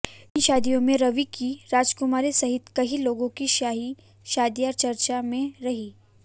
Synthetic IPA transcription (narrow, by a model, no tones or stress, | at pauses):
ɪnʃaːd̪ijõmẽɾɐʋikiɾaːd͡ʒkʊmaːɾisɐɦɪt̪kɐɦiloːɡõkiʃaːɦi | ʃaːd̪iaːɾt͡ʃɐɾt͡ʃamẽɾɐɦiː